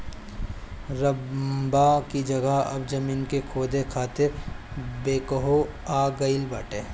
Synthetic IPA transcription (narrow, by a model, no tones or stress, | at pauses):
ɾɐbakid͡ʒɐɡəɐ̰bd͡ʒɐmiːnkekʰoːd̪ekʰaːt̪ɪɾbeːkəɦo | aːɡɐɪlbaːʈeː